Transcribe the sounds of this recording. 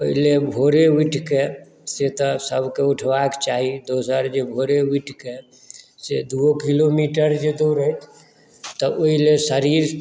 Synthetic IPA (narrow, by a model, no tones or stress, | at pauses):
oɦilebʱoɾeiʈʰke | set̪ɔsəbʱkeuʈʰbaket͡ʃaɦid̪osəɾd͡ʒebʱoɾeiʈʰke | sed̪uokilomiʈəɾd͡ʒed̪oɾət̪ʰ | t̪ɔoɦilesəɾiɾ